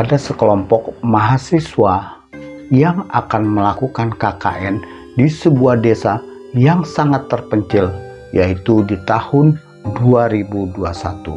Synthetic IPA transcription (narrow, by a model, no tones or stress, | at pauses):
adasəkəlɔmpɔk̚maɦasiswa | jaŋakanməlakukankaka̰ʔɛn | disəbuahdesa | jaŋsaŋat̪ːərpəɲt͡ʃɪl | jait̪udit̪ahʊn | duaɾibuduasat̪ṵ